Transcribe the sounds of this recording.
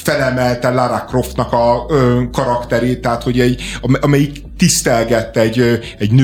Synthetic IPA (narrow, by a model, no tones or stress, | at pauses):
fɛlɛmɛlt̪ɛlaɾakro̞ft̪nɒkɒkɒɾɒkt̪ɛɾeːt̪ːɛɦat̪ho̞ɟɛɟɒmʔɒmɛjik | t̪ist̪ɛlɡɛt̪ːɛɟː | ɛɟnø